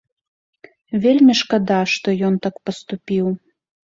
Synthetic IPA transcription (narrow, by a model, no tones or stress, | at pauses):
vʲelʲmʲiʃkɐd̪ɑʃt̪ɔjɔnt̪ɑkpəst̪upʲiw